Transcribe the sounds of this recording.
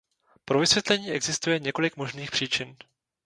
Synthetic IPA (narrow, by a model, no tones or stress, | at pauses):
pɾo̞vɪsvjɛt̪lɛɲiːʔɛɡzɪst̪ujɛɲɛko̞lɪkmo̞ʒniːxpr̥iːt͡ʃɪn